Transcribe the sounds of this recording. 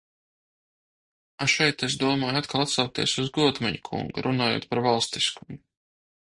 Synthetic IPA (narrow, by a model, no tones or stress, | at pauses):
aʃɛjt̪esd̪uɔmɔːjat̪̚kalˠat̪sawk̚t̪iɛsuzɡuɔt̪mɛɲukʰṵŋɡṵɾʔunaːjo̰ːt̪̚paɾvalˠst̪iskumu